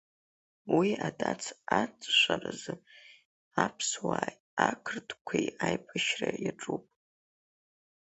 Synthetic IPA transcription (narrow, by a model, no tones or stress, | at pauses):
wiadʰʼat͡sʰat͡sʼʃʷarazɨ | apʰswaːj | akʰrtʼkʷʰejajpʰʼaʃrajaʈ͡ʂʼupʼ